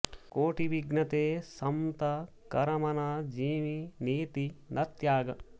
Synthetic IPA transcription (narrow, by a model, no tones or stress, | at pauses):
koːʈiʋiɡnɐt̪eːsɐmt̪ɐ | kɐɾɐmɐnaːd͡ʒiːʋineːt̪inʔɐt̪jaːɡɐ